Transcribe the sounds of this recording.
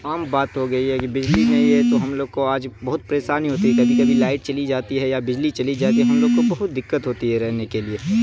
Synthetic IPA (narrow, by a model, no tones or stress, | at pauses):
aːmbaːt̪ɦoɡɐiɦɛkibɪd͡ʒlinɐɦĩɦɛt̪oɦɐmloːɡ̚koaːd͡ʒbɐɦʊt̪̚pɾeːsaːniɦoːt̪iɦɛkɐbʱikɐbʱilaːɪʈt͡ʃɐlid͡ʒaːt̪iɦɛjabɪd͡ʒlit͡ʃɐlid͡ʒaːt̪iɦɛɦɐmloːɡ̚kobɐɦʊt̪̚d̪ɪkːət̪ɦoːt̪iɦɛɾɛɦnekelieː